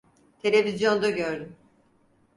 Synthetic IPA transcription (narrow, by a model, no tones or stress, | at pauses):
t̪ʰe̞lʲevizjo̞nd̪aɟøɾd̪ym